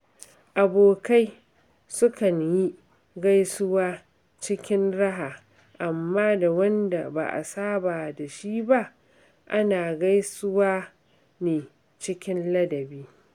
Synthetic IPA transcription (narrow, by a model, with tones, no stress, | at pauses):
ʔa˨boː˨ka˦j | sʊ˦kɐ˨ɲji˦ | ɡa˦jsʊ˦waː˦ | t͡ʃɪ˦kʲɪ˦nɽɐ˦ɦaː˨ | ʔa˨mːaː˦da˨wɐ˦nda˨ba̰˨ʔa̰˨saː˦baː˨da˨ʃiː˦ba˦ʔ | ʔa˦naː˨ɡa˦jsʊ˦waː˦ | neː˨ | t͡ʃɪ˦kʲɪ˦nlɐ˦dɐ˨biː˦